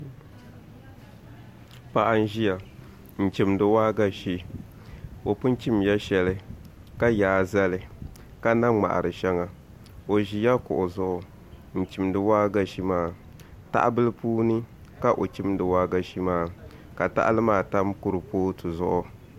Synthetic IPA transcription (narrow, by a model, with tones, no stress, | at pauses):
pa˨ʔa˦n̩˦ʒi˦ja˨ | n̩˨t͡ʃi˦mdɨ˦waː˦ɡa˦ʃi˦ | o˨pʊ˦n˦t͡ʃi˦mja˦ʃɛ˨lɨ˦ | ka˦jaː˨˦za˦lɨ˨ | ka˦na˦ŋ͡ma̰˨ʔa̰˨ɾɨ˨ʃɛ˦ŋa˨ | o˨ʒi˨ja˦kʊ̰˨ʔʊ˨zʊ˦ʔʊ˨ | n̩˨t͡ʃi˨mdɨ˨waː˦ɡa˦ʃi˦maː˦˨ | ta̰˦ʔbɨ˦lɨ˦puː˦nɨ˦ka˦ʔo˨t͡ʃi˦mdɨ˨waː˦ɡa˦ʃi˦maː˦˨ | ka˨ta̰˦ʔa̰˦lɨ˦maː˦˨ta˦mkʊ˦ɾɨ˨poː˦tɨ˨zʊ˦ʔʊ˦